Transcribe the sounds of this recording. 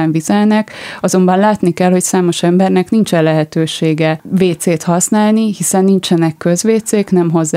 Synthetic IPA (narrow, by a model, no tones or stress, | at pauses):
ɛɱvizɛlnɛkɒzo̞mbɒnlaːt̪nikɛlho̞csaːmo̞ʃɛmbɛrnɛknint͡ʃɛnlɛɦɛt̪øːʃeːɡɛveːt̪seːt̪hɒsnaːlnihisɛnːint͡ʃɛnɛkːø̞zʋeːt̪seːknɛmɦo̞zː